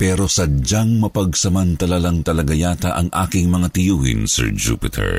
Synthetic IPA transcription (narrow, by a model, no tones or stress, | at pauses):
pɛːɾo̞sɐd͡ʒaŋmɐpɐɡ̚sɐmɐnt̪ɐlalɐŋt̪ɐlɐɡajaːt̪ɐʔɐŋʔa̰ːkɪŋmɐŋat̪ɪjuːhɪ̰nsɛ̰ɹd͡ʒṵpɪt̪ʰɛ̰ɹ